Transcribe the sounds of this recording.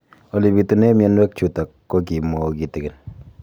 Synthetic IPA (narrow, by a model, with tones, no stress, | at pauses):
o˨li˨bi˨tu˨˦ne˦mjɔ˦nwɛ˦k̚t͡ʃu˨ta˨kːo˦ki˨mɔ˨o˨ki˨te˨kɪ˨n